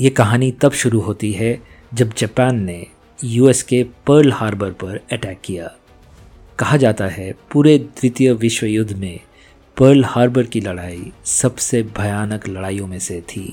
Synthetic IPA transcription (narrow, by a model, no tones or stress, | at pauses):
jeːkɐɦaːnit̪ɐbʃʊɾuɦoːt̪iɦɛ | d͡ʒɐbd͡ʒɛːpɛːnːe | juːɛskepəɾlhaːɾbəɾpɐɾɛʈɛːkːijaː | kɐɦad͡ʒaːt̪aɦɛpuːɾed̪ɾɪt̪jəʋɪʃwəjʊd̪ʱːmẽ | pəɾlhaːɾbəɾkilɐɽaːisɐbsebʱɐjaːnəklɐɽaːijõmẽset̪ʰḭː